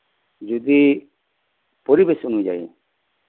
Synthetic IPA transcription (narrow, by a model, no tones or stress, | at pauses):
d͡ʒud̪i | pɔɾibesunũd͡ʒa̰ḭ